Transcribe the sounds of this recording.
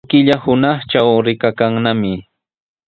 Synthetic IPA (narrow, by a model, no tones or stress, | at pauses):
kɪʎahʊnɑχt͡ʃawɾɪkakaŋnamɪ